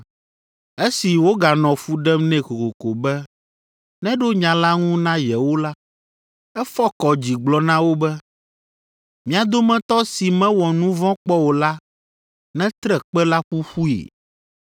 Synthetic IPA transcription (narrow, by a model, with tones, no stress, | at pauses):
e˦si˨wo˦ɡa˨nɔ̃˨fu˦ɖɛ˦mnɛ̃˦ko˨ko˨ko˨bɛ˦ | nɛ̃˦ɖo˦ɲã˨la˦ŋũ˦nã˦jɛ˨wo˦la˦ | ɛ˦fɔ˦kɔ˨d͡ʑi˨ɡ͡blɔ˨nã˦wo˦bɛ˦ | mĩ˨˦a˨d̪o˦mɛ̃˦t̪ɔ˦si˨mɛ̃˦wɔ˨nũ˦vɔ̃˦k͡pɔ˦wo˨la˦ | nɛ̃˦t̪ɾɛ˨k͡pɛ˦la˦ɸu˦ɸu˦ḛ˨